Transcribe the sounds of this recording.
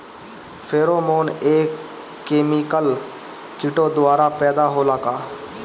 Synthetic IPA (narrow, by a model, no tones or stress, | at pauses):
fʰeːɾoːmoːneːkː | eːmikəl | kɪʈoːd̪ʊaːɾaːpɛːd̪aːɦoːlaːkaː